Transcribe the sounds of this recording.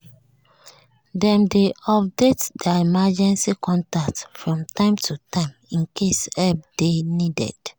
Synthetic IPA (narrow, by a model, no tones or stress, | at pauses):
dɛ̃mdeɔp̚detdɛimad͡ʒɛ̃nsikɔ̃ntak̚tfɹɔ̃mtãɪ̃mtʰutãɪ̃mĩnkʰesɛb̚denidɛ̰d̥